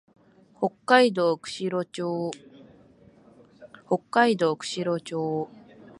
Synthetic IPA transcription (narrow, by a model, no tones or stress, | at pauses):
ho̞kːaid̪o̞ːkɯ̟̥ɕiɾot͡ɕoː | ho̞kːaid̪o̞ːkɯ̟̥ɕiɾo̞t͡ɕoː